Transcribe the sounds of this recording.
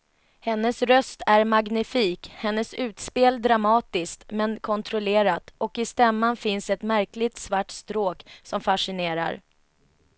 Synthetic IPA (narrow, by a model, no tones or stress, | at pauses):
hɛnːəsɾœst̪æɾmaɡnɪfiːkhɛnːəsʉ̟ːt̪speːld̪ɾamɑːt̪ɪskt̪mɛnkʰɔnt̪ʰɾɔleːɾat̪ɔkɪst̪ɛmːanfɪnsɛt̪mæɾklɪt̪svaʈst̪ɾoːksɔmfaʂɪneːɾa̰ɾ